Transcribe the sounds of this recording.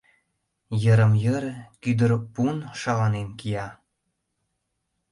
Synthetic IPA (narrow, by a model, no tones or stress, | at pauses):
jəɾəmjəɾkyd̪ərpunʃɑlɑnenkijɑ